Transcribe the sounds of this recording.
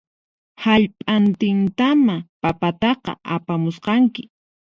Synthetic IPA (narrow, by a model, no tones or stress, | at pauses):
haʎpʼant̪ɪnt̪amapapat̪ɑqɑ̰ʔapamʊsqɑŋkɪ̥